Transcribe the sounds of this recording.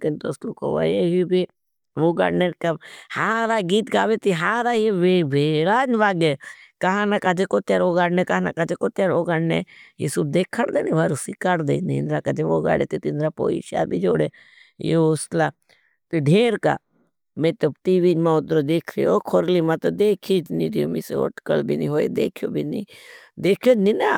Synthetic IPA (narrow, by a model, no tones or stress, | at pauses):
kɪnt̪osluko̰ʋa̰jeɦibi | ʋoːɡa̰ɽnenkahaːɾaːɡiːt̪ɡaːʋet̪iɦaːɾajeʋebʱeːɾaːd͡ʒʋaːɡekɐɦãnakad͡ʒekot̪jaːɾoɡaːɽnekaɦana̰kad͡ʒekot̪jaɾoːɡaɽnḛjḭːsub̚d̪eːkʰːəɽd̪eːniʋaɾusikaɽd̪ḛːniɪnd̪ɾakad͡ʒeʋoːɡa̰ːɽḛt̪it̪ind̪ɾapo̰ːḭʃa̰bʱid͡ʒoːɽe | jḛoʊst̪la | t̪iɖʱeːɾka̰ | mẽt̪ɐbʈ̪iːʋid͡ʒmãʊt̪ɾod̪eːkʰɾḭjokʰoɾlimãt̪od̪eːkʰid͡ʒniɾiomisḛo̰ʈkə̰lbʱḭnḭɦoːḭd̪ḛːkʰijo̰ːbʱinḭ̃d̪eːkʰjonina